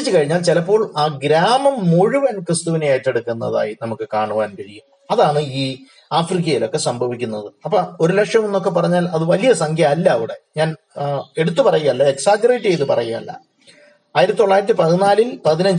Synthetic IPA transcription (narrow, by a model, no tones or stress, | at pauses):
it͡ɕːɨkɐɻiɲːaːlt͡ɕelɐpːo̞ːɭaːɡɾaːmɐmːuɻuʋɐnkrɨst̪uʋineeʈːeɽukːunːɐ̰ða̰ːjinɐmukːɨkaːɳuʋaːnkɐɻijum | ɐðaːɳɨiː | aːfrik̬ʲːɐjilo̞kːe̞sɐmbʱɐʋikʲːunːɐðɨɐpːɐo̞ɾule̞kʂjɐmenːo̞kːe̞pːɐrɐɲːaːlɐðɨʋɐlijɐsɐŋkjɐɐlːɐʋiɽeɲaːn | e̞ɽut̪ːupɐrɐjuɐlːɐeksaːɡrejʈːiejt̪ːupɐrɐjuɐ̰lːɐ̰ | aːjiɾɐt̪it̪oɭːaːjɾɐt̪̬ːipɐðinaːlilpɐðinɐɲ